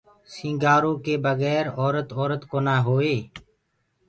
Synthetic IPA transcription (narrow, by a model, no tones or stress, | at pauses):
sĩːŋɡaːɾõːkeːbəɣɛːɾɔːɾət̪ɔːɾət̪koːnaːɦoːeː